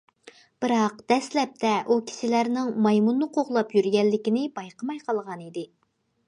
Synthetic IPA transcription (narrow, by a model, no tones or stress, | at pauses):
b̥ɨɾɑqd̪̥ɛslɛp̚t̪ʰɛʔukʲʰi̥ʃɪlæɾnɪŋmɑjmunːɨqʰoʁlˠɑpjyɾɡʲɛlːɪkʲinɪbɑjqəmɑjqʰɑlˠʁɑnid̪ɪ